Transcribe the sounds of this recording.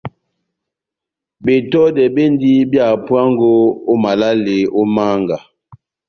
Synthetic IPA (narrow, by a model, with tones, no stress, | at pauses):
be˨tɔ˦dɛ˨be˦n˦di˦bja˨pwa˦ŋ˦ɡo˦o˦ma˨la˦le˨o˦ma˦ŋɡa˨